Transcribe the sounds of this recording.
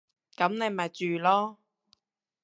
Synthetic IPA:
kɐ˨˥mne˨˧m˨ɐ˨˩t͡ʃyː˨lɔː˥

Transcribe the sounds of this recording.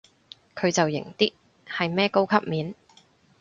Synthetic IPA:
kʰɵ˨˧ɥt͡sɐ˨wjɪ̰˨˩ŋt̪iː˥t̚ | hɐ˨jmɛː˥ko˥wkʰɐ˥p̚miː˨˧n

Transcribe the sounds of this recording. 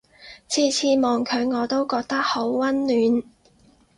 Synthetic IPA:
t͡sʰiː˧t͡sʰiː˧mɔː˨˩ŋkʰœ˨˧ɥŋɔː˨˧t̪o˥wkɔː˧k̚t̪ɐ˥k̚ho˨˥wwɐ˥nlyː˨˥n

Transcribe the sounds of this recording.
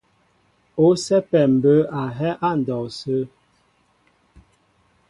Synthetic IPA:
o˦sɛ˦pɛ˨m̩˨bə˦a˨ɦɛ˦ʔa˦˨n̩˨dɔ˨sə˦

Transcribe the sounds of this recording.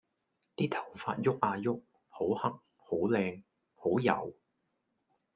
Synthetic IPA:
t̪iː˥t̪ʰɐ˨˩wfa̰ː˧t̚jʊ˥k̚ʔaː˧jʊ˥k̚ | ho˨˥whɐ˥k̚ | ho˨˥wlɛː˧ŋ | ho˨˥wjɐ̰˨˩w

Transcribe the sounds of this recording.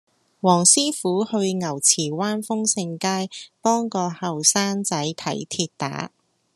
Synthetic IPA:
wɔː˨˩ŋsiː˥fuː˨˥hɵ˧ɥŋɐ˨˩wt͡sʰiː˨˩waː˥nfʊ˥ŋsɪ˧ŋkaː˥jpɔː˥ŋkɔː˧hɐ˨wsaː˥nt͡sɐ˨˥jt̪ʰɐ˨˥jt̪ʰiː˧t̚t̪a̰ː˨˥

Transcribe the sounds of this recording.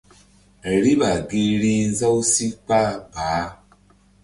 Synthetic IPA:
e˨ɾi˦βa˨ɡi˦ɺi˦nza˦u˦si˦pa˦ba˨˦

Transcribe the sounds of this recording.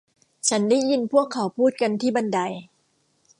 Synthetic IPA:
t͡ɕʰa˦˥nda˥˩jji˧npʰu˥˩əkʰːa˩˦wpʰuː˥˩t̪̚ka˧nt̪ʰiː˥˩ba˧nda˧j

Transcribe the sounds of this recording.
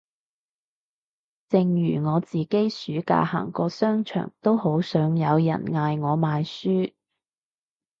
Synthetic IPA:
t͡sɪ˨˧ŋjyː˨˩ŋɔː˨˧t͡siː˨ke˥jsyː˨˥ka̰ː˧ha̰ː˨˩ŋkɔː˧sœː˥ŋt͡ʃʰœ̰ː˨˩ŋt̪o˥who˨˥wsœː˨˥ŋjɐ˨˧wjɐ̰˨˩nŋaː˧jŋɔː˨˧maː˨˧jsyː˥

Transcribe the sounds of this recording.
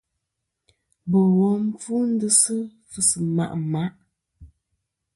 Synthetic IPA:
bɔ˨wɔ˦m˦fu˦n̩˦dɨ˦sɨ˦ | fɨ˨sɨ˨ma̰˨ʔma˦ʔ

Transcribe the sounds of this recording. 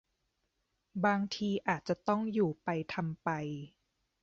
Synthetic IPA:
baː˧ŋt̪ʰiː˧ʔaː˨˩t̪̚t͡ɕa˨˩t̪ɔ˥˩ŋjuː˨˩pa˧jt̪ʰa˧mpa˧j

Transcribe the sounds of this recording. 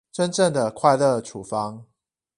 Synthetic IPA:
ʈ͡ʂə˦nʈ͡ʂə˥˩ŋd̪ə˨˩kʰwa˥˧ɪlə˥˩ʈ͡ʂʰu˨˩fɑ˦ŋ

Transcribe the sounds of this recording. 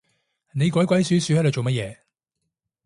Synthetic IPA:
ne˨˧jkɔː˨˥jkʷɐ˨˥jsyː˨˥syː˨˥hɐ˧˥j̪o˨˧wt͡ʃo˨wmɐ˥t̚jɛː˨˧

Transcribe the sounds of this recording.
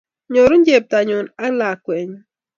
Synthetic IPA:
ɲo˨ɾu˦n˦d͡ʒe˨p̚ta˨ɲʊ˨na˦la˨kwɛ˨ɲ˦

